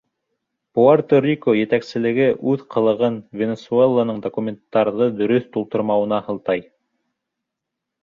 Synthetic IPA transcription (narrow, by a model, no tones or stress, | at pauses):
puart̪orʲikojɘ̆t̪æksɘ̆lɘ̆ɡɘʔʉðqʰɤ̆lˠɤ̆ʁɤnvʲenʲesuelˠːanɤɴd̪okumʲent̪ːɑɾðɤd̪ɵ̆ɾɵθt̪ulˠt̪ŏɾmɑwɤ̆nɑhɤ̆lˠt̪ɑj